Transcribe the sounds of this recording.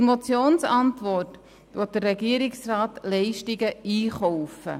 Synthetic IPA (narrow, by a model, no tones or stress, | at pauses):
mot͡sjoːnsɑntʋɔrt | ʋɔt̚d̥ərːɛɡiəɾɪksrɑːtlɛɪʃtɪɡəiːχɔwfə̰